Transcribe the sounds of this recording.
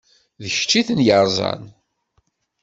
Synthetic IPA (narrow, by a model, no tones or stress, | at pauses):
ðəç̥t͡ʃːiθənjəɾˤzˤɑ̰n